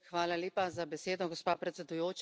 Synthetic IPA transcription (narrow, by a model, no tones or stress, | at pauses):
xʋaːlaleːpazabɛseːd̪ɔɡɔspaːpɾɛt̪sɛd̪ujoːt͡ʃ